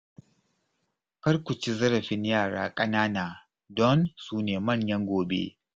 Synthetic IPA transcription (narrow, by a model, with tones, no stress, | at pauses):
kɐ˦ɽkʷʊ˨t͡ʃi˦zɐ˦ɾɐ˨ɸɪ˦ɲjaː˦˨ɽaː˦kʼɐ˦naː˦naː˨ | dɔ˦nsuː˦neː˨mɐ˦˨ɲjɐ˦ŋɡʷoː˨bḛ˦